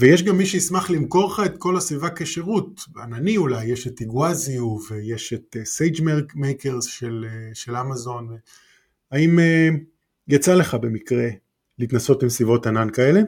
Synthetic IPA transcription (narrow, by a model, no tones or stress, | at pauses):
veje̞ʃ̬ɡamːiʃeismaχlimko̞ʁχaet̪ko̞lasvivakeʃeʁut̚a̰naniulajːe̞ʃetiɡwaziuve̞je̞ʃetesejd͡ʒmemejkeʁz̥ʃeleʃe̞lamazo̞nve | aime | jat͡sale̞χabe̞mikʁe̞ | liːt̪naso̞tbimsvivo̞tanankae̞le̞